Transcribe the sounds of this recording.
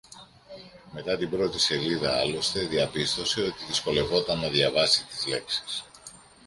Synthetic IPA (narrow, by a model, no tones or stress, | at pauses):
me̞t̪ɐt̪ibɾo̞t̪ise̞liðɐɐlo̞st̪e̞ðiɐpist̪o̞se̞o̞t̪iðisko̞le̞vo̞t̪ɐnːɐðjɐvɐsit̪izle̞̰ksi̥s